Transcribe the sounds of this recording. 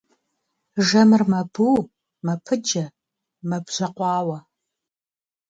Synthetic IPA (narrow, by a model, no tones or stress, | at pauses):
ʒɐmɨrmɐbuː | mɐpʰɨd͡ʒɐ | mɐbʒ̥ɐqʷɑːwɐ